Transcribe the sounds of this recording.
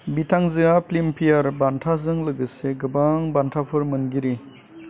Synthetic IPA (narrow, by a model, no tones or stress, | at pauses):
bitʰaŋzɯŋaplimpʰijaɾbantʰazɯŋlɯɡɯseɡɯbaŋbantʰapʰɯɾmɯnɡiɾi